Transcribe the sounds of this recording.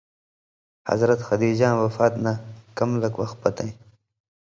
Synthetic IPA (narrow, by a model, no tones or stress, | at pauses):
hɐ̰zɾɐt̪xɐd̪iːd͡ʑɑ̃ːnwɐfɑːt̪nakamləkwɐxt̪̚pɐt̪ã